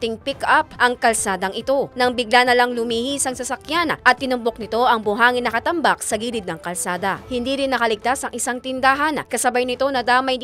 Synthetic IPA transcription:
t̪ɪŋpikʔap̚ʔɐŋkɐlsaːd̪ɐŋʔɪt̪o̞nɐŋbɪɡlanɐlɐŋlʊmihisɐŋsɐsɐkjanʔɐt̪ːɪnʊmbo̞k̚nɪt̪o̞ʔɐŋbʊɦaːŋɪnːɐkɐt̪ɐmbak̚sɐɡiːlɪd̪nɐŋkɐlsaːd̪ɐhɪnd̪iːɾɪnːɐkɐlɪɡ̚t̪asɐŋʔɪsaŋt̪ɪnd̪aɦankɐsɐbajnɪt̪o̞nɐd̪aːmɐj̪

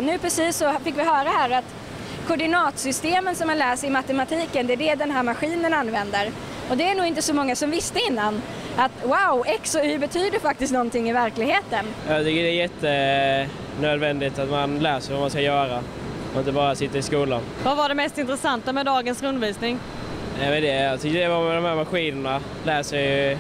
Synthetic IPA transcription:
nʉ̟ːpʰɾɛsiːsːɔfɪkːvɪɦœːɾahæːɾat̪ | kʰɔɖɪnɑːt̪sʏst̪eːmənsɔmhanlæːsɪmat̪ɛmat̪ʰiːkənd̪ɛæɖɛd̪ɛnɦæːɾmaɧiːnənanvɛnd̪əɾ | ɔd̪ɛæɳuːɪnt̪əsɔmɔŋːasɔmvɪst̪əɪnːan | ʔat̪waʊʔɛksɔhʉbɛt̪ʰyːd̪əfak̚t̪ɪsk̪t̪nɔnt̪ɪŋːɪvæɾklɪɡheːt̪ənjɑt̪ʰʏkːəɖɛɛjɛt̪ːə | nøːd̪vɛnd̪ɪt̪at̪manlæːsəɾvamanskajœːɾa | ɔɪnt̪əbɑːɾasɪt̪ːəɾɪskuːlanvavaɖɛmɛst̪ɪnt̪ɾɛsant̪amɛd̪ɑːɡənsɾɵnd̪əɾviːsnɪŋ | nɛmɛnd̪ɛjɑt̪ʰʏkːədɛvɑɾmɛd̪ɔmhæːɾmaɧiːnəɳa | læːsəɪj

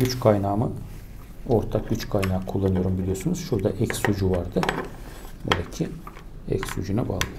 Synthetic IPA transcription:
ɟyt͡ʃkʰajnaːmɯ | o̞ɾt̪ʰak̚ɟyt͡ʃkʰajnaːkʰulˠːanɯjo̞ɾumbilʲijo̞sunuz̥ʃuɾd̪aʔɛcsud͡ʒuvaɾd̪ɯ | bo̰d̪acʰiɛ̰csṵd͡ʒunaba̰ːlˠjo

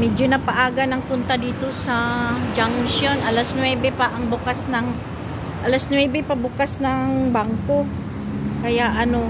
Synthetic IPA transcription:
mɛd͡ʒonɐpaʔaːɡɐnɐŋpʊnt̪ɐd̪iːt̪o̞sɐd͡ʒaŋʃonʔɐlasnwɛbɛpaʔɐŋbʊkasnɐŋ | ʔɐlasnwɛːbɛpɐbʊkasnɐŋbaŋko̞ | kɐjaʔɐno̞

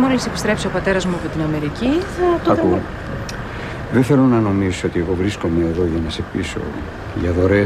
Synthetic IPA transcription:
mo̞lisepi̥st̪ɾe̞psio̞pɐt̪e̞ɾɐzmuɐpo̞t̪inɐme̞ɾiciθɐt̪oɐu | ðenθe̞lonɐno̞misoot̪ie̞ɣo̞vɾisko̞meːðo̞ʝɐnɐse̞piso̞̰ | ʝɐðo̞ɾe

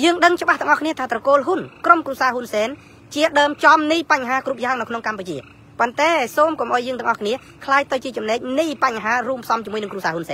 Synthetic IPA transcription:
jəːŋɗəŋt͡ɕə̆ɓaht̪ɔəŋʔɑhkʰniət̪ʰaːt̪rɑkoːlɦunkromkruəsaːɦunsɛːn | t͡ɕiəɗəːmt͡ɕɑmnɨjpaɲɦaːkruːp̚jaəŋnɨwkʰnoŋkamput͡ɕiə | pont̪aɛsoːmkomʔaɔjəːŋt̪ɨə̆ŋʔɑhkʰniə | kʰlaːj̚t̪ɨwt͡ɕiət͡ɕɑmnɛːk̚nɨjpaɲːɦaːruːmpʰsɑmt͡ɕiəmuənɨŋkruəsaːhunsɛːn

